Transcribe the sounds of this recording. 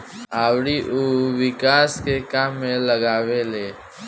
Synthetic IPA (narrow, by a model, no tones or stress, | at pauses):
aːwɽiʔoʋɪkaːskekaːmːẽləɡaːweleː